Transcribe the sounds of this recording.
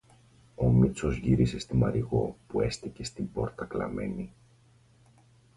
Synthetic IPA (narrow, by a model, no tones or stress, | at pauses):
o̞mit͡so̞zʝiɾise̞st̪imɐɾiɣo̞pue̞st̪ice̞st̪ibo̞ɾt̪ɐklɐ̰me̞̰ni